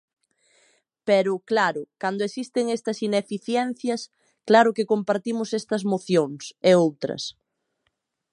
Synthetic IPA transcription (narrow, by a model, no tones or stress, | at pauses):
pɛɾʊklaɾʊkand̪ʊesist̪eŋest̪ɐsinefiθjɛn̟θjɐs | klaɾʊkekompaɾt̪imʊsest̪ɐzmoθjoŋseowt̪ɾɐ̰s